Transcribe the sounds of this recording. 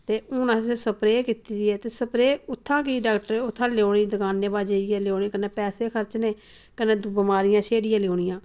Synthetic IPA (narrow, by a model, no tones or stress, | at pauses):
t̪eːʊːnãːsesəpɾeːkiːt̪iːd̪iɛːt̪eːsəpɾeːʊt̪ʰːãːkiːɖaːkʈəɾeːʊt̪ʰːãːleoːɳiːd̪əkaːnːeːbaːd͡ʒeːɪjɛːleoːniːkəneːpɛːseːkʰəɾt͡ʃneː | kənẽːd̪ʊbəmaːɾɪjãːʃeːɽɪjãːleoːɳɪjãː